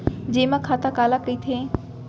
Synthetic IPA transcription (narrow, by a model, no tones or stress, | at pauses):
d͡ʑẽːmãkʰaːt̪akaːlakɐit̪ʰieː